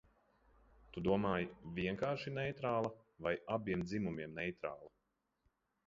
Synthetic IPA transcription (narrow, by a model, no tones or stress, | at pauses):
t̪ud̪uɔmaːjvʲiɛŋkaːɾʃinɛjt̪ɾaːlˠɐvajabiɛmd̪zimumiɛmnɛjt̪ɾaːlˠa